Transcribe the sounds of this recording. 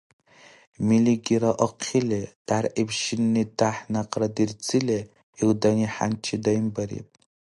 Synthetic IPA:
miliɡʲiɾaʔoqʰɪled̥arʔibʃɪnːɨdaħnaqʼradirt͡sʰɨle | ildaniħa̰nt͡ʃʰɪdajimbaɾḭpʼ

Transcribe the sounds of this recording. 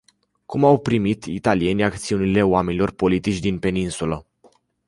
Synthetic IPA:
kumawpɾimit̪ḭt̪alie̞nʲakt̪siunile̞oame̞nilo̞rpo̞lit̪it͡ʃʲd̪inpe̞ninsulə

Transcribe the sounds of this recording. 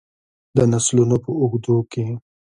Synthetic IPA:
d̪ənaslunopəʊɣd̪oke

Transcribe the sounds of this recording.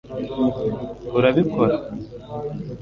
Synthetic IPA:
uɾaβikʰoɾa

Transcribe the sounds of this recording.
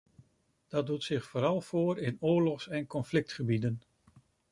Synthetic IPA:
d̥ɑd̚utsɪχfoːɾɑlˠfoːɾɪnʊːɹlɔχsɛnkɔnflɪk̚tχəbidən

